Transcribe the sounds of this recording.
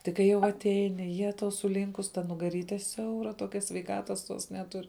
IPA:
ˈtʲɪk kɐɪ jɛʊ ɐtʲˈɛɪnʲɪ ˈjæːtɐʊ sʊˈlʲiːŋkʊs tɐ nʊɡɐˈrʲiːtʲɛ ˈsʲɛʊrɐ ˈtoːkʲɛ sʲʋʲɛɪˈkɑːtɐs tuɔs nʲɛˈtʊr

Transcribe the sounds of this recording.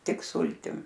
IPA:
ˈtʲɪk ˈsʊlʲtʲɪm

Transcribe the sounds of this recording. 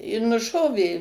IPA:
ɪ nʊˈʃoːʋʲeː

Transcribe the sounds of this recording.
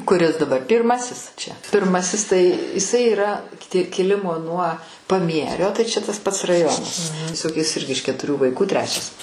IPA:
kʊˈrʲɪs dɐˈbɐr ˈpʲiːrˌmɑːsʲɪs t͡ʃʲɛ pʲɪrˈmɑːsʲɪs tɐɪ ɪˈsɐɪ iːˈrɐ kʲɪˈtʲɪ kʲɪˈlʲɪmoː nuɔ pɐˈmʲiɛrʲoː tɐɪ t͡ʃʲɛ tɐs pɐts rɐˈjoːnɐs tʲiɛˈsoːk jɪs ˈɪrʲɡʲɪ ɪʃ kʲɛtʊˈrʲuː ʋɐɪˈkuː ˈtʲrʲæːt͡ʃʲɛs

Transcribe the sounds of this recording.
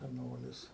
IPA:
sʲɛˈnoːlʲɪs

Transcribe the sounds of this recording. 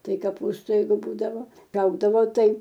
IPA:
ˈtɐɪ kɐˈpuːstʊ ˈjɛɪɡʊ ˈbuːdɐʋoː ˈrɐʊɡdɐʋoː ˈtɐɪ

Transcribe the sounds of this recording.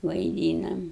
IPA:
ʋɐɪˈdʲiːnɐm

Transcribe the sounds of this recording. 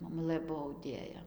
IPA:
moːˈmʊlˠɘ ˈbuɔ ɐʊˈdʲeːjɛ

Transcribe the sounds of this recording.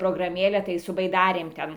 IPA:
proːɡrɐˈmʲeːlʲɛ tɐɪ sʊ bɐɪˈdɑːrʲeːm ˈtʲɛn

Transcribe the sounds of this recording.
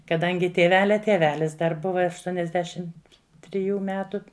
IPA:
kɐˈdɐŋʲɡʲɪ tʲiɛˈʋʲæːlʲɛ tʲiɛˈʋʲæːlʲɪs dɐr ˈbʊʋɐ ɐʃˈtuɔnʲɛzʲˌdʲæːʃʲɪm tʲrʲɪˈjuː ˈmʲæːtʊ

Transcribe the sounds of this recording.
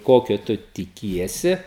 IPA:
ˈkoːkʲoː ˈtʊ tʲɪˈkʲiɛsʲɪ

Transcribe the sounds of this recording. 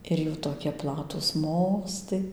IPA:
ɪr ˈjuː toːˈkʲiɛ ˈplˠɑːtuːs ˈmoːstɐɪ

